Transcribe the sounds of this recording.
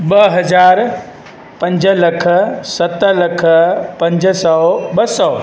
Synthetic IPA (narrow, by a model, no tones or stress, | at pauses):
ɓəɦɐzaːɾ | pɐ̃ɲd͡ʒəlɐkʰəsɐt̪əlɐkʰəpɐ̃ɲd͡ʒsɔːɓəsɔː